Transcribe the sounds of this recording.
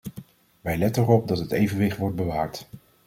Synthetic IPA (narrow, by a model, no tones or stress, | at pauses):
ʋɛjlɛtənərɔp̚dɑtɦətejvənʋɪχtʋɔɹd̚bəʋaːɹt